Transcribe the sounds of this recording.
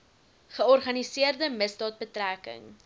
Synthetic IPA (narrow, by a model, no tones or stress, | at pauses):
χəɔrχɐnisiərdəməsdɑːt̚bətrækə̰ŋ